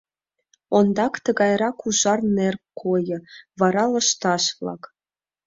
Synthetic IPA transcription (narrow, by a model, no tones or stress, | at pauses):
ond̪ɑkt̪əɣɑjɾɑkuʒɑrnerkkʰːojɤ̆βɑɾɑlə̆ʃt̪ɑʃβlɑ̰k